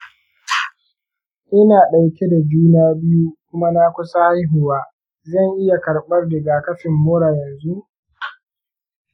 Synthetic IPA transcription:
ʔɪ˦naː˨ɗa˨wkʲe˦da˨d͡ʒuː˦naː˦bɪ˦ju˦kʷʊ˦ma˦naː˦kʷʊ˦sa˦ha˦jɦʊ˨waː˦ | zɐ˦˨ŋʔɪ˦ja˨kɐ˨ɽɓɐ˦rdɪ˨ɡaː˨kɐ˦ɸɪ˨mːoː˦ɽaː˨jɐ˨nzu˦

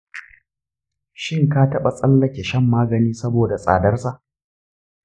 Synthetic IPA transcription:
ʃɪ˦ŋkaː˦tɐ˦ɓa˨sʼɐ˦lːɐ˦kʲe˨ʃɛ˦mːaː˦ɡɐ˨niː˦sɐ˦boː˨da˨sʼa̰ː˨dɐ˦rsa˨ʔ

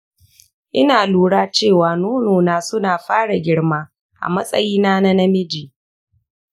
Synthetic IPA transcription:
ʔɪ˦naː˨luː˨ɽaː˦t͡ʃeː˦˨waː˨noː˦noː˨naː˦sʊ˦naː˨ɸaː˦ɽa˨ɡʲɪ˦ɽmaː˦ | ʔa̰˨mɐ˦sʼɐ̰˦jiː˦naː˦na˦na˦mɪ˦d͡ʒiː˨

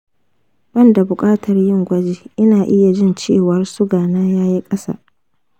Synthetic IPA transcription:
b̥ɐ˦˨nda˨bʊ˨kʼaː˦tʰɐ˨rjɪ˦˨ŋɡʷɐ˦d͡ʒeː˨ʔɪ˦naː˨ʔɪ˦ja˨d͡ʒɪ˦nt͡ʃḛː˦˨wɐ˨rsʊ˦ɡaː˨naː˦jaː˦ji˦kʼɐ˦sa̰˦˨

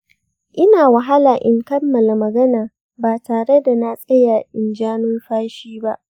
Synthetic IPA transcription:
ʔɪ˦naː˨wɐ˨ɦa˦laː˨ʔɪ˨ŋkɐ˦mːɐ˨la˨mɐ˨ɡɐ˦naː˨ | baː˨taː˨ɽe˦da˨na˦sʼɐ˦jaː˨ʔɪ˨nd͡ʒaː˦nʊ˦nɸaː˦ʃiː˦ba˦ʔ

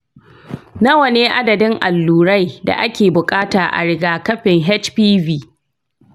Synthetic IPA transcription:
nɐ˦wɐ˨neː˦ʔa˦dɐ˨dɪ˦ŋʔa˨lːuː˨ɾa˦jda̰˨ʔa˦kʲeː˨bʊ˨kʼaː˦taː˨ʔa̰˨ɽɪ˦ɡaː˨kɐ˦ɸɪ˨ŋɦɛ˦t͡ʃpiː˦viː˦

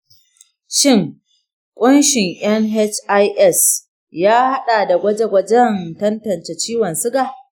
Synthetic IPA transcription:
ʃɪ˦˨ŋ | kʷʼʊ˦nʃɪ˨ŋʔɐ˦ŋɦɛ˦t͡ʃʔa˦jʔɛ˦˨s | jaː˦ha˦ɗaː˨da˨ɡʷɐ˦d͡ʒe˦ɡʷɐ˦d͡ʒɐ˦ntɐ˦ntɐ˨nt͡ʃɛ˨t͡ʃiː˦wɐ˨nsɪ˦ɡa˨

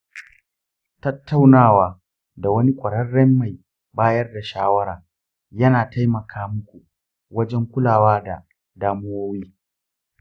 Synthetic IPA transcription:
tɐ˦tʰːa˦˨wnaː˦˨waː˨ | da˨wɐ˦ni˦kʷʼɐ˨ɽɐ˦rːɛ˦mːa˨j | baː˦jɐ˦rda˨ʃaː˦wɐ˦ɾaː˨ | jɐ˦naː˨ta˦jmɐ˨kʰaː˦mʊ˦kʷu˨ | wɐ˦d͡ʒɛ˦ŋkʷʊ˦laː˨waː˦da̰˨ | daː˦mʊ˦woː˦wiː˦

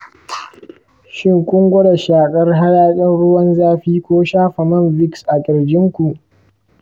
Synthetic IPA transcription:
ʃɪ˦ŋkʷʼʊ˦ŋɡʷʊ˦ɽa˨ʃaː˨kʼɐ˦rɦa˦ɽaː˦kʼɪ˦nɽʊ˦wɐ˦nzaː˦ɸiː˦kʷoː˦ʃaː˦ɸa˨mɐ˦mbɪ˦ksʔa˨kʲʼɪ˨ɽd͡ʒʲɪ˦ŋkʷu˨ʔ

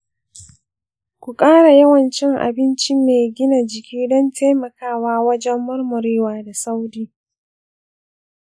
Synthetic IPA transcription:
kʷu˨kʼaː˦ɽa˨jɐ˦wɐ˨nt͡ʃɪ˦ŋʔa̰˨bɪ˦nt͡ʃi˦meː˨ɡʲɪ˦na˨d͡ʒɪ˨kʲʰiː˦dɔ˦nteː˦mɐ˨kaː˦˨waː˦wɐ˦d͡ʒɛ˦mːɐ˦rmʊ˨ɾeː˦waː˨da˨sa˦wdiː˦

